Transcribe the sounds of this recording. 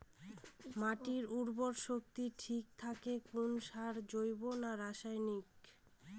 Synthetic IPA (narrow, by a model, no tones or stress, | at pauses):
maʈiɾuɾboɾʃok̚t̪iʈʰik̚t̪ʰakekunʃaɾd͡ʑojbonaɾaʃajnik